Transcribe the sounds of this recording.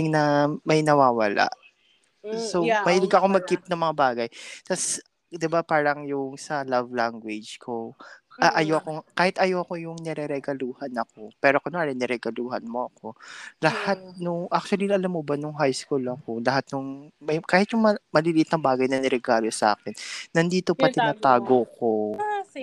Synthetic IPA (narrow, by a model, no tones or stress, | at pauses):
ɪŋnɐmɐjnɐwaːwɐla̰ʔ | somɐhɪlɪɡɐkoŋmɐɡ̚kɪp̚nɐŋmɐŋabaːɡɐjt̪as | d̪ɪbapaːɾɐŋjʊŋsɐlɐvlaŋɡwɛd͡ʒkʰoʔɐʔɐjoɐkoŋkaːhɪt̪ʔɐjoɐko̞jʊŋnɛɾɛɾɛɡɐluːhɐnɐko̞pɛːɾokonaɾɛnɛɾɛɡɐluːhɐnmoʔɐko̞lɐhat̪̚nʊŋʔak̚t͡ʃʊɐliʔɐlamːobɐnʊŋɦajskuːlɐko̞lɐɦat̪̚nʊŋmɐjkaːhɪt̪jʊŋmmɐliːlɪʔɪt̪nɐŋbaːɡɐjnɐnɛɾɛɡaːlo̞sʔa̰ːkɛnːɐnd̪iːt̪o̞pɐt̪ɪnaːt̪aːɡoko